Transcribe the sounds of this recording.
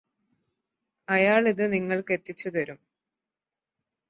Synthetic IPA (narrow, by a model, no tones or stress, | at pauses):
ɐjaːɭiðɨniŋːɐɭke̞t̪ːit͡ɕːut̪ɐɾum